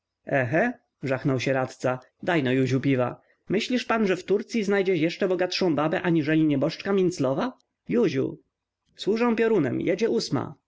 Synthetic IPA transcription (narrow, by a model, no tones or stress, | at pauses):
ɛxɛ | ʐaxnɔwɕɛɾat̪t̪sa | d̪ajnɔjuʑupʲiva̰ | mɘɕlʲiʂpanʐɛft̪uɾt̪sʲjiznajd͡ʑɛjɛʂt͡ʂɛbɔɡat̪ʂɔ̃w̃babɛʔaɲiʐɛlʲiɲɛbɔʂt͡ʂkamʲint̪slɔva | juʑṵ | swuʐɛw̃pʲɔɾunɛ̰mjɛd͡ʑɛʔusma̰